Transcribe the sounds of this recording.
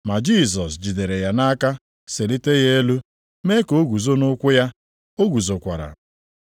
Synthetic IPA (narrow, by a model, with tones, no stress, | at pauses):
ma˨d͡ʒi˦˨s̬ɔ˨sd͡ʒi˨de˨ɾe˨ja˨na˦ka˦ | se˨li˦te˦ɣe˦e˦lu˦ | me˦ko˨˦ɡu˨zo˦nʊ˦kʷʊ˦ja˦ | o˦ɡu˨zo˨kʷa̰˨ɾa̰˨